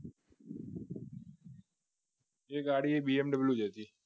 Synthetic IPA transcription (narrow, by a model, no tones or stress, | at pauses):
eːkaːɽiːeːbiːemɖəbljuːd͡ʒeːt̪iː